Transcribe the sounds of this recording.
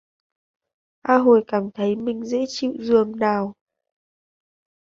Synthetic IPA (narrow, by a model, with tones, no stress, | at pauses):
ʔaː˧ɦo˨˩jkaː˧˩mt̪ʰə˨˦jmï˨˩ŋ̟zḛ˧˥t͡ɕḭ˧˨wzɨ˨˩əŋnaː˨˩w